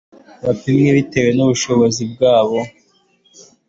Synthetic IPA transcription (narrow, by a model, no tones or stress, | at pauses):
βapimɲeβite̞we̞nuβuʃo̞βo̞zib̚ɡaːβo̞